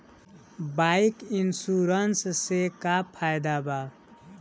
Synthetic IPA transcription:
bajkinsuɾʌnssekapʰajd̪aba

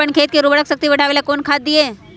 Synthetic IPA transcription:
əɳkʰeːt̪̚keɾubəɽəksək̚t̪iʋɐʈaːʋeːlakoːnkʰaːd̪̚d̪ieː

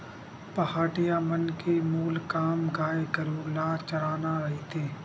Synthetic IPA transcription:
pɐhaːʈijamɐnkemuːlkaːmɡaːekɐɾuːɾlaːt͡ʃɐɾaːnaɾɐɦit̪ʰeː

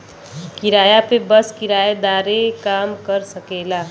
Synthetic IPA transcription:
kiɾaːjapebəskiɾaːed̪aːɾekaːmkəɾsəkela

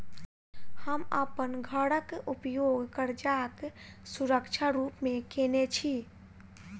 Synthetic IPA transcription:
həməpənɡʱəɽəkupjoɡʱkəɾd͡ʒaksuɾəkt͡ʃʰaɾupmekenet͡ʃʰi

